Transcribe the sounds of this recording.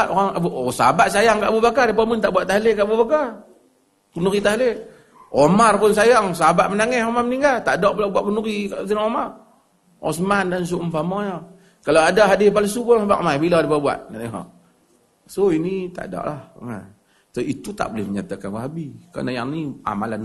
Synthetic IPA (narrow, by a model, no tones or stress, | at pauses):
ʔoɣaŋbʔosabaʔsajaŋkaʔbubakardipamunt̪aʔbuaʔt̪aɦlekaʔbubakar | kunuɾit̪aɦle | omarpʊnsajaŋsabaʔmənaŋɛsomarməniŋɡalt̪aʔdɔʔbilabuaʔkunuɾikaʔsinaŋomar | ɔ̰səmandans̬uʔmfamɔja | kaloadaɦadɪpalasubʊba̰ʔmabiladipabua̰ʔnaniɦɔ̰ | soinit̪a̰ʔdɔ̰ʔlahŋa̰ | t̪ait̪ut̪a̰ʔbolɪhməɲat̪akanwaɦabika̰najaŋnia̰malan